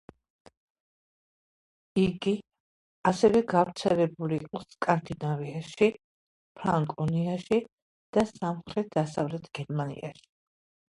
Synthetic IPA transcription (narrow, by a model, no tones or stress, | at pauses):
iɡi | asɛvɛɡavɾt̪sʰɛlɛbulḭːqʼɔskʼand̪inaviaʃi | pʰɾaŋkʼɔniaʃi | d̪̥asamχɾɛt̪̚d̪asavlɛt̪ʰɡ̥ɛɾmanḭa̰ʃi̥